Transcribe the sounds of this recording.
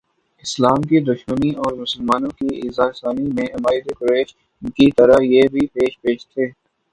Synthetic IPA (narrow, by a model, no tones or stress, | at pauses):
ɪslaːmkid̪ʊʃməniɔːɾmʊsəlmaːnõkiɪ̰ːzaːɾɪsaːmimẽʔɪmaːɪd̪ekʊɾeːʃ | kit̪ɐɾajeːbʱipeːʃpeːʃt̪ʰeː